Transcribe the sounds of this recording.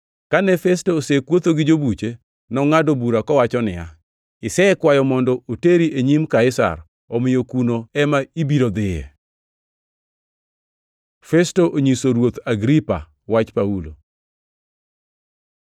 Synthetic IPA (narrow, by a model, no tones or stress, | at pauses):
kanɛfɛstoːsekwot̪oɡɪd͡ʒobut͡ʃe | nɔŋadobuɾakɔwat͡ʃɔnɪja̰ | ɪsɛɛkwajɔmɔndɔoteɾieɲimkaɪsa̰r | ɔmɪjokunoɛmaibiɾod̪ɪjɛ̰ | fɛstoʔoɲisoɾwot̪aɡɾipa̰ | wat͡ʃpaulo̰